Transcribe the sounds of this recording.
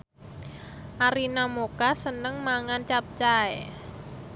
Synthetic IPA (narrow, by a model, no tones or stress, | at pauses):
ʔaɾinamokasənəŋmaŋant͡ʃap̚t͡ʃae